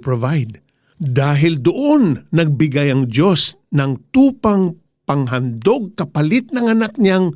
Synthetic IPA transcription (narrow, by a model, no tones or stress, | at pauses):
pɹovajd̪̚ | d̪aːɦɪld̪ʊʔo̞nːɐɡ̚bɪɡajɐŋdo̞s | nɐŋt̪uːpɐŋ | pɐŋɦɐnd̪o̞ɡ̚kɐpɐlɪt̪̚nɐŋɐnak̚ɲaŋ